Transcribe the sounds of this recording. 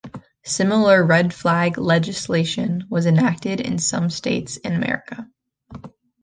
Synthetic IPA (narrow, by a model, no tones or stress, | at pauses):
sɪ̃ml̩ˠə˞ɹɛdflæɡlɛd͡ʒɨsleɪʃɨ̃nwʌzɨ̃næk̚tɪɾɪ̰̃nsʌ̰̃msteɪtsɨ̃nɨmɛ̰ɹɨkə